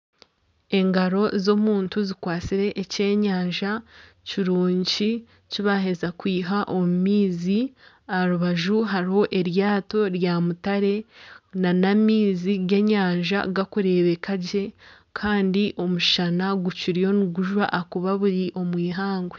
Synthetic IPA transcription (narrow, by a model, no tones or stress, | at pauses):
e̞ŋɡaɾo̞zo̞muːntuzikwaːt͡siɾe̞ʔːce̞ːɲaːɲʒa | ciɾuːɲci | ciβaɦe̞zakwiːɦaʔo̞mumiːzi | aɾuβaʒuɦaɾiho̞ʔe̞ɾjaːto̞ɾjaːmutaɾe̞nanamiːziɡe̞ɲaːɲʒa̰ɡakuɾe̞βe̞kaɟe̞ | kʰaːndiʔo̞muʃanaɡuciɾijo̞niɡuʒwa̰ʔːkuβaβuɾiʔo̞mwiːɦaːŋɡwe